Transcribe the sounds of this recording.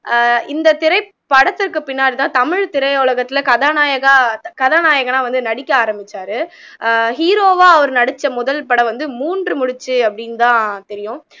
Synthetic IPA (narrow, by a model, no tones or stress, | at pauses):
ɪnd̪ɐt̪ɪɾɐɪ | pːɐɽɐt̪ːɪɾkːɯpɪnːaːɽit̪ãːt̪ɐmɪɻt̪ɪɾɐɪʊɭɐɣɐt̪ːɪlɐkɐðaːnaːjɐɣakɐðaːnaːjɐɣɐnaːʋɐnd̪ɯnɐɽɪkʲːɐaːɾɐmbɪt͡ʃːaːɾɯ | hiːɾoːʋaːɐʋɐɾɯnɐɽɯt͡ʃːɐmʊðɐlpɐɽɐʋɐnd̪ɯmuːndrɯmʊɽɪt͡ʃːɯɐpːɐɽɪnt̪ãːt̪ɛɾɪjʊ̃